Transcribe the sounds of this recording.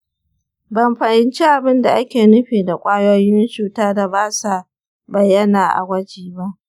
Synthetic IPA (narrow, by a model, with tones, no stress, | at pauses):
bɐ˨mɸɐ˨ʔɪ˨nt͡ʃi˦ʔa˨bɪ˦nda˨ʔa˦kʲeː˨nʊ˦ɸeː˨da˨kʷʼaː˦jo˦jɪ˦wɪ˦nt͡ʃuː˨taː˦da˨baː˦sa˨ | bɐ˨jːɐ˦naː˨ʔa̰˨ɡʷɐ˦d͡ʒiː˨ba˦ʔ